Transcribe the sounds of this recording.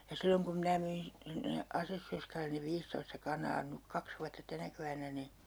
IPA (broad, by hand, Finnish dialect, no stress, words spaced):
jɑ silːoŋ kum minæ myin sinːe ɑsesːørskælen̆ ne ʋiːstoistɑ kɑnɑː nyk kɑks ʋuɑtːɑ tænæ keʋænːæ ni